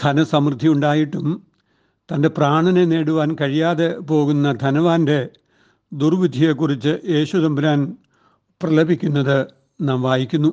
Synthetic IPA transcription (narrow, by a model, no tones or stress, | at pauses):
d̪̥ʰʱɐnɐsɐmrɨd̪ʱːiuɳɖaːjiʈːum | t̪ɐnde̞praːɳɐnene̞ːɽuʋaːnkɐɻijaːðe̞po̞ːɣunːɐd̪ʱɐnɐʋaːnde̞ | d̪urʋid̪ʱije̞kːurit͡ɕːɨʔje̞ːɕuðɐmbɾaːn | prɐlɐbʱikʲːunːɐðɨ | naːmʋaːjikʲːunːu